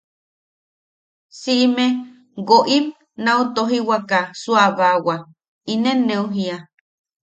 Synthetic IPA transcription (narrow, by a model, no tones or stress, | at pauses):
siʔme | ɡoʔim | naut̪oɦiwakasuaβawa | inenːeuɦia